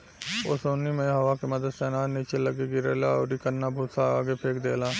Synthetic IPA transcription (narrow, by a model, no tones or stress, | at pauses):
oːsoːnimẽɦɐʋakemɐd̪əd̪sɛːnaːniːt͡ʃelɐɡeɡɪɾeːlaɔːɾikəɾnabʱuːsaaːɡepʰeːkd̪eːlaː